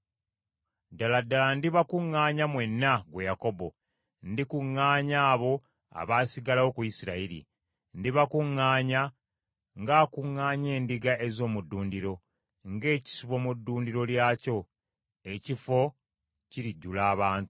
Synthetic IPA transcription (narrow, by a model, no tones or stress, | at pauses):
daladːalandiβakuŋːaːɲamwe̞nːaɡwe̞jako̞bo̞ | ndikuŋːaːɲaːβo̞ | a̰βaːsiɡalawo̞kujisiɾaiɾḭ | ndiβakuŋːaːɲa | ŋɡaːkuŋːaːɲe̞ːndiɡaʔezo̞ːmudːuːndiɾo̞ | ŋɡe̞ːci̥siβo̞mudːuːndiɾo̞ljaːco̞ | e̞cifo̞ | ciɾiɟːulaːβaːntu